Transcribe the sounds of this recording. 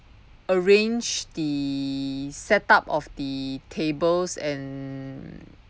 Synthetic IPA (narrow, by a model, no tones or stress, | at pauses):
əɹẽnd͡ʒdi | sɛtapɔfdətʰebəlsɛ̃n